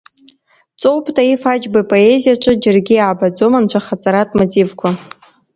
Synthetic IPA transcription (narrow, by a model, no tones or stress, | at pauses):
t͡sʼowpʰʼtʰʼaifad͡ʒbapʼo̞e̞zijaʈ͡ʂʷʼɨd͡ʒarɡʲijaːbad͡zo̞mant͡ɕʷʰaχat͡sʼaɾatʼmotʼivkʷʰa